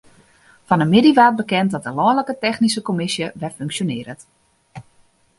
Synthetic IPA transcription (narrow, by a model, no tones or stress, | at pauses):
fɔnəmɪdiʋaːt̚bəkɛntdɔt̚əlɔləkətɛxnisəkomɪsjəʋɛføŋksjonɪːəɾət